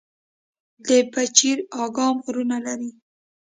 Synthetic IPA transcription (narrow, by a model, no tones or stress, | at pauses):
d̪əpat͡ʃiɾɑɡɑmɣɾunalaɾi